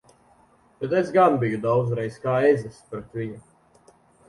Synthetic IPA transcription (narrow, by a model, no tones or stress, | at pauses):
bet̪esɡanbijud̪awd̪zɾɛjskaːezɛspɾɛt̪viɲu